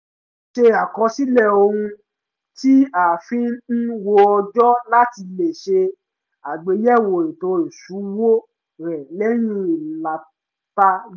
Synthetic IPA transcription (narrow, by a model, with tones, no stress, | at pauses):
ʃe˧a˨kɔ̃˧si˦lɛ˦˨o˧hũ˧ | ti˦a˨fĩ˨˦n̩˦wo˧ɔ˧d͡ʒɔ˦la˦ti˧le˨ʃe˧ | a˨ɡ͡be˨˦jɛ˦˨wo˨ɾĩ˨to˧˦e˨su˨˦wo˦ | ɾɛ˨lɛ˦ɾ̃ĩ˦i˨la˨˦ | ta˧˦